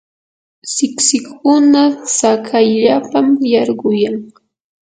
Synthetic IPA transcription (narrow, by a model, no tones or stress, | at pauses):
sɪksɪkːʊnasakʰajʎapamjɑɾɢʊjaŋ